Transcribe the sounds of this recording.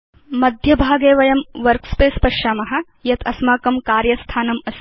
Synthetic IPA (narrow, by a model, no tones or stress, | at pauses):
mɐd̪ʱjɐbʱaːɡeːʋɐjɐmʋɐɾkspeːspɐʃaːmɐɦɐ̆ | jɐt̪ʰɐsmaːkɐmkaːɾjɐst̪ʰaːnɐmɐs